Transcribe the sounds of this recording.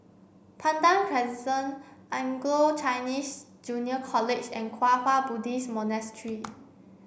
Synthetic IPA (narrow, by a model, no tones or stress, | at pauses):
pʰãndãnpʰɹɛzidə̃nʔãŋɡlot͡ʃʰajnis | d͡ʒũniəkʰɔled͡ʒɛ̰̃nkʰwafabudismɔnastʰɹi